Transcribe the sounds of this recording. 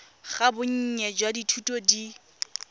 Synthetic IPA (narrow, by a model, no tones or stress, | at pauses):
ɣabʊɲ̩ɲɛd͡ʒwaditʰutʼodi